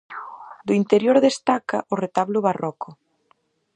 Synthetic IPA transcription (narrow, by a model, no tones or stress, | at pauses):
d̪ʊint̪eɾjoɾðest̪akɐʔʊret̪aβlʊβarɔkʊ